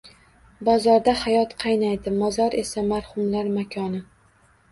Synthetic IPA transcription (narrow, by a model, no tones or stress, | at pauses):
bɒzɒɾd̪ahajɒt̪qʰɑjnajd̪ɪmɒzɒɾe̞samaɾhʊmlaɾmakʲʰɒnɪ